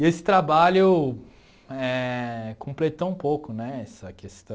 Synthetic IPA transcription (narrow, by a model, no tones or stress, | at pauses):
esɪ̥t̪ɾabaʎʊ | ɛkõmplet̪õũpowkʊnɛɛsɐkest̪ɐ̃